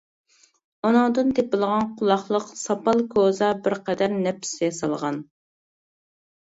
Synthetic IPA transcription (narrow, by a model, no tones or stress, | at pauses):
onʊŋd̪ɨnt̪ʰepɪlˠʁɑnqʰʊlˠɑχlˠəqsɑpɑlˠkʰozɑbɪɾqɛd̪æɾnɛp̪̚ʰɪ̥sjɛsɑlˠʁɑn